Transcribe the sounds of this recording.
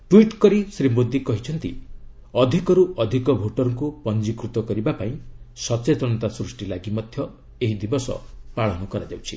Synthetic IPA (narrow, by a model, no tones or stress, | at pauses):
ʈwiʈkɔɾisɾimod̪ʱikɔɦit͡ʃʰɔnt̪i | ɔd̪ʱikɔɾuʔɔd̪ʱikɔbʱoʈɔɾɔŋkupɔnd͡ʒikɾut̪ɔkɔɾibapaĩsɔt͡ʃet̪ɔnɔt̪asɾusʈilaɡimɔd̪ʱjɔ | eɦid̪ibɔsɔ̰paɭɔnɔkɔɾad͡ʒawt͡ʃʰḭ